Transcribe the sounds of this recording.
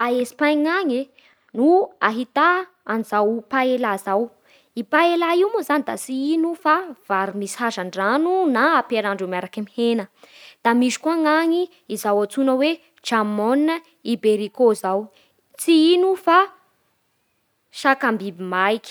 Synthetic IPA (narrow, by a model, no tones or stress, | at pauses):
aesi̥pajŋaɲi | nuaɦit̪aː | nizawpaelazaw | ipaelaiwmuzanid̪at͡siinufav̥aɾimishazaɳɖ͡ʐanunaːpeɾaɳɖ͡ʐumaɾakəmihenəd̪̥amiʃi̥kuaŋaɲi | izawat͡sunəwe | d͡ʒamon | ibeɾikozaw | t͡siinufa | ʃakambibimajkʲi̥